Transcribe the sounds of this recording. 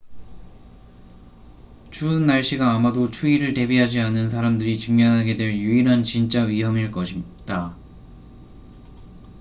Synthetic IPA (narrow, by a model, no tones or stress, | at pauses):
t͡ɕunːaɭɕ͈iɡaːmadot͡ɕʰuiɾɯɭte̞biɦad͡ʑianɯnsʰaɾamdɯɾit͡ɕɯŋmjʌnɦaɡe̞dwe̞ɭjuiɾɦant͡ɕint͡ɕ͈aɥiɦʌmiɭk͈ʌɕʰi | d̥͈a